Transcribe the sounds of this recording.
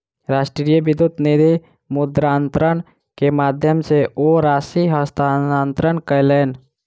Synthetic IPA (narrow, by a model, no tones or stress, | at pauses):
ɾaːʃʈɾijəbɪd̪ʊt̪nid̪i | mʊd̪ɾaːnt̪ɾən | kemaːd̪ʱjəmseoɾaːsiɦəst̪aaːnt̪ɾəɳkəleːn